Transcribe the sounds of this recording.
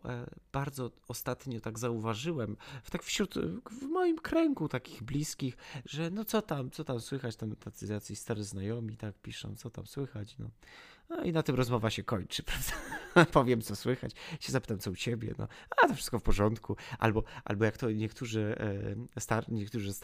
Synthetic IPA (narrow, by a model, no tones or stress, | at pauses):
b̥aɾd̪zɔ | ɔst̪at̪ɲɔt̪aɡzauvaʐɘwɛmt̪akfɕɾut̪vmɔjimkɾɛŋɡut̪akʲiɣblʲiskʲixʐɛnɔt̪sɔt̪amt̪sɔt̪amswɘxat͡ɕt̪ɛnɛt̪at̪ɨzat̪sʲist̪aɾɨznajɔmʲit̪ak̚pʲiʂɔ̰̃w̃t̪sɔt̪a̰mswɘxat͡ɕnɔ̰ɔinat̪ɨmɾɔzmɔvaɕɛkɔɲt͡ʂɨpɾavd̪apɔvʲjɛmt̪sɔswɘxa̰t͡ɕɕɛzapɘ̥t̪amsɔut͡ɕebʲjɛ̰nɔ̰at̪ɔfʂɘ̥st̪kɔfpɔʐɔnt̪kuʔa̰lbɔʔa̰lbɔjakt̪ɔɲɛkt̪uʐɘ | st̪aɾɲɛk̚t̪uʐɘs